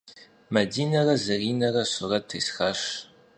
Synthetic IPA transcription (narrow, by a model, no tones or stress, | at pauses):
mɐdiːnɐrɐzɐriːnɐrɐsʊrɐt̚tʰːejsxaːʂ